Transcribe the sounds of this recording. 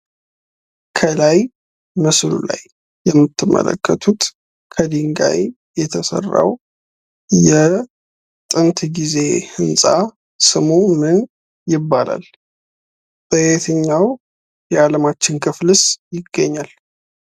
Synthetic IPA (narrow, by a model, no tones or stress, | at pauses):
kʰəlaj | məslṵla̰jː | ɛmːɨt̪ʰːɨmːə̰lə̰kʰːət̪ʰut̪ | kʰəd̪iŋɡa̰j | jɛt̪ʰəsə̰rːa̰w | jɛ | t̪ʼɨnt̪ɡize̞hɨnsʼa | sɨmumɨn | jɪbːala̰l | t̪ʼəjet̪ʰɨɲːaw | jɛaləmat͡ʃːɪnkʰɨflɨsjɪɡːəɲːal